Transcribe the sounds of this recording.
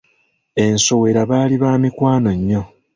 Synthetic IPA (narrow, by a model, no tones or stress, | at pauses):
e̞nso̞we̞ɾaβaːliβaːmikwaːno̞ɲːo̞